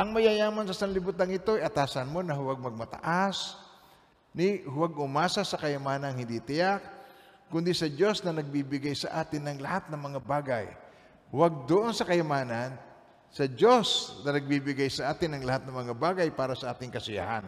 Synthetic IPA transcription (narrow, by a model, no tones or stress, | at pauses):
ʔɐŋmɐjajaːmansɐsɐŋlɪbut̪aŋɪt̪o̞ʔajɐt̪aːsɐnmo̞nɐhʊwaɡ̚mɐɡ̚mɐt̪ɐ̰ʔas | nɪhʊwaɡ̚ʊmaːsasɐkɐjɐmaːnɐŋhɪnd̪ɪt̪ɪjak̚ː | ʊnd̪ɪsɐd͡ʒo̞snɐnɐɡ̚bibɪɡajsɐʔaːt̪ɪnːɐŋlɐhat̪̚nɐŋmɐŋabaːɡaj | hʊwaɡ̚d̪oʔonsɐkɐjɐmaːnan | sɐd͡ʒo̞snɐnɐɡ̚bibɪɡajsɐʔaːt̪ɪnːɐŋlɐhat̪̚nɐŋmɐŋabaːɡajpaːɾɐsɐʔaːt̪ɪŋkɐsʊja̰ha̰n